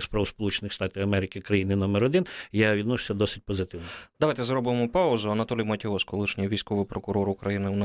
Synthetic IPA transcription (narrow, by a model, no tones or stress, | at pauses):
spɾɐʋɔspɔlˠut͡ʃenɪxst̪ɑt̪ʲiwɐmɛɾɪkɪkɾɐjinɪnɔmɛɾɔd̪ɪnjaʋʲid̪nɔʃʊ̥sʲɐd̪ɔsɪ̥t̚ʲpɔzɪt̪ɪwnɔd̪ɐʋɑjt̪ɛzɾɔbɪmɔpɑʊzʊɐnɐt̪ɔlʲijmɐtʲɔʋɔskɔlˠɪʃnʲijʋʲijsʲkɔʋɪjpɾɔkʊɾɔɾʊkɾɐjinɪwn